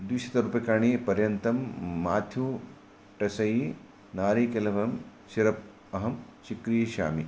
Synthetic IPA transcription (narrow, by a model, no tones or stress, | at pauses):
d̪wiʃɐt̪ɐɾupekaːɳ̃iːpɐɾjɐnt̪ɐmːaːt̪ʰju | ʈɐsɐji | naːɾiːkɐlɐʋɐm | ʃiɾɐp̚ | ɐɦɐmt͡ʃikɾijɐʃa̰ːmi